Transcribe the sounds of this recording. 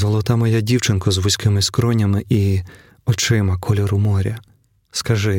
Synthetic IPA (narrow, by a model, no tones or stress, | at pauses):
zɔlˠɔt̪ɑmɔjadʲiwt͡ʃɪnkɔzʋʊsʲkɪmɪskɾɔnʲɐmɪʔi | ɔt͡ʃɪmɐkʰɔlʲɔɾʊmɔɾʲɐ | skɐʒɪ